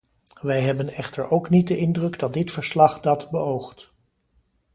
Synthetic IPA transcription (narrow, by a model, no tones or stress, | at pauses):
ʋɛjɦɛbənɛχtəɹowknit̚dəɪndrɵɡdɑt̚dɪtfəɹslɑχdɑdbəowχt